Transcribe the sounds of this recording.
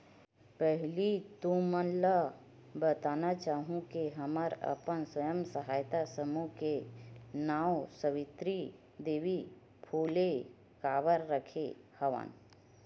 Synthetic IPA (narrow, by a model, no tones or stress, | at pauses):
pəɦlit̪ũmənla | bət̪aːnat͡ʃaːɦũkeɦəməɾə̰pənswəjəmsəɦaːjt̪asəmukenaːwsəʋɪt̪ɾi | d̪eːʋi | pʰuːle | kaːʋəɾːəkʰehəʋə̰n